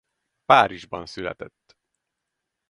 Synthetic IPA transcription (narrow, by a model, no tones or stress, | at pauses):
paːɾiʒbɒnsylɛ̰t̪ɛt̪ː